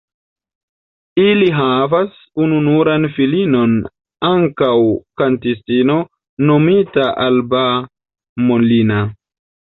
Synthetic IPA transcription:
iliɦavas | ununuɾanfilino̞n | aŋkawkantistino̞ | no̞mitaʔalba | molina

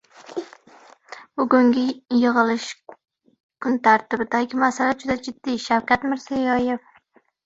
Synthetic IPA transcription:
b̥ʊɡʊŋɡʲɪjɨʁɨlɪʃ | kʰʊnt̪ʰaɾt̪ɪbɪd̪aɡʲɪmasalad͡ʒʊd̪ad͡ʒɪd̪ːiʃawkʲʰat̪mɪɾz̥ijɒjef

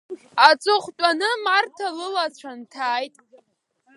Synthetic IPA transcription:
at͡sʼʊχʷtʷʼanɨmartʰalɨlat͡ɕʷʰantʰaːjtʼ

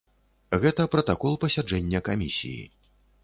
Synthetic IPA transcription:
ɣɛt̪ɐpɾɐt̪akɔlˠpɐsʲad͡ʐɛnʲːɐkamʲisʲḭjḭ

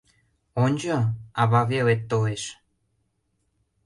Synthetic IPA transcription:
onʲd͡ʑɤɑβɑβelet̪ːoleʃ

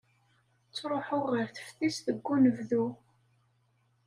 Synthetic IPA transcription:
t͡sːɾˤoħʊʁːəɾθə̥fθisðəɡːunəvðu

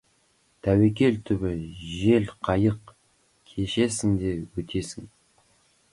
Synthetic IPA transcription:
t̪ʰæwe̞k̬ʲe̞lt̪ʰʏbɪʒe̞lqʰɑjəq | kʲʰeʃe̞sɪŋd̪e̞wɵt̪ʰe̞sɪŋ

